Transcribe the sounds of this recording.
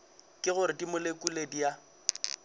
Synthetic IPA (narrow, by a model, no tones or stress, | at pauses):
kʼɪɣʊɾɪdimʊlekʼuledija